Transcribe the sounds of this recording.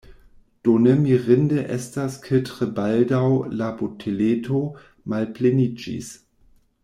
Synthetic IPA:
d̥onemiʁɪndeʔɛstaskʰetʁebaldawlabotʰeletʰo | malplenid͡ʒḭs

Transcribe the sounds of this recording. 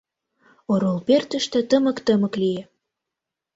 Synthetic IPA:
oɾolpert̪ə̆ʃt̪ĕt̪əmə̆kt̪əmə̆klije

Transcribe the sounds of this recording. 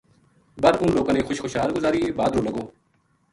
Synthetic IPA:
bəɾʊnloːɡãːnẽːxʊʃxoːʃɦaːlɡʊzaːɾiːbaːd̪ɾoːləɡoː

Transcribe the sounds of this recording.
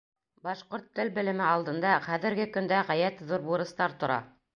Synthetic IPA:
bɑʃqoɾt̪ːɘlbɘ̆lɘ̆mɘɑlˠd̪ɤ̆nd̪ɑχæðɘ̆ɾɡɘkɵ̆nd̪æʁæjæt̪ðuɾbuɾɤ̆st̪ɑɾt̪ŏɾɑ̰

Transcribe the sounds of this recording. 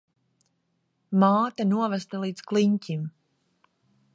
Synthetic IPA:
maːt̪anuɔvæst̪alˠiːd̪sklˠiɲcʲim

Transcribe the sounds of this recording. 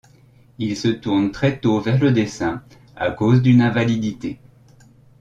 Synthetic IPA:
ilsət̪uʁnt̪χɛt̪ovɛʁləd̪esɛ̃ | a̰kozd̪ynɛ̃valid̪it̪e

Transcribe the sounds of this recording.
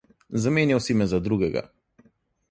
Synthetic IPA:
zamenjawsimɛzad̪ɾuɡɛɡa̰

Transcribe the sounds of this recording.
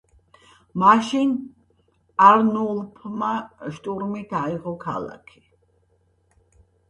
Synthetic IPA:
maʃin | aɾnulˠpʰmaʃt̪ʼuɾmit̪ʰaiʁɔkʰa̰la̰kʰi̥

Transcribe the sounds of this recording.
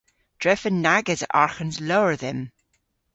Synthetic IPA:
d̥ɹɛfənːaɡədəʔaɹxənzloɹðɪm

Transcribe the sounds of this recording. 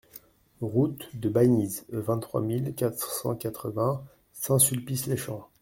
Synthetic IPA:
ʁut̪d̪əbanizvɛ̃t̪t̪ːχwa̰milkat̪χsɑ̰̃kat̪χəvɛ̃ | sɛ̃sylpisleʃɑ̃

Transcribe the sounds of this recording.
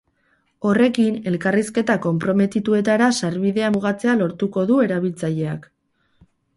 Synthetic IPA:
o̞re̞kine̞lkariske̞t̪ako̞mpɾo̞me̞t̪it̪ue̞t̪aɾasaɾβiðe̞amuɣat͡se̞alo̞ɾt̪uko̞ðue̞ɾaβ̞ilt͡saʎe̞a̰k

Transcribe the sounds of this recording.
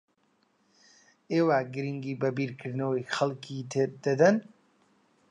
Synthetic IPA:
ewaɡɾiŋɡiːbɐbiːɾkəɾnɐwixɐlkit̪ʰeɾd̪ɐd̪ɐn

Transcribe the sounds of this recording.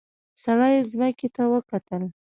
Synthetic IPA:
saɽɑjzməket̪awəkat̪əl

